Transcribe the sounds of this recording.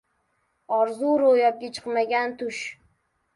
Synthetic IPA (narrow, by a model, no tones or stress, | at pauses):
ɒɾzuɾojɒp̚ɡʲat͡ʃʰɨ̥qmaɡʲant̪ʰʊʃ